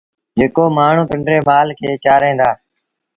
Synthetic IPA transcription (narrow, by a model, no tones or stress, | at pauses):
d͡ʒeːkoːmaːɳ̤ũːpɪɳɖɾeːmaːlkʰeːt͡ʃaːɾẽːnd̪aː